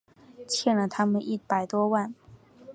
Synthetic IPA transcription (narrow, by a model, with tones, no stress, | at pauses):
t͡ɕʰjɛ˥˩nlə˨˩t̪ʰa˥mə˨nʔi˥˩pa˨˩ɪt̪wɔ˥wa˥˩n